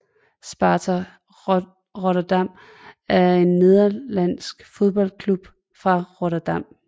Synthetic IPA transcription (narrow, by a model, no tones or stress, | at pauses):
sb̥ɑ̈ːt͡sʰɐ | ʁoɐd̥ɑm̰ | æɐe̝nːe̝ðˠɐlæn̰sɡ̥fo̝ð̞ˠb̥ɒ̽l̰kʰlub̥ | fʁɑ̈ʁoɾɐd̥ɑm̰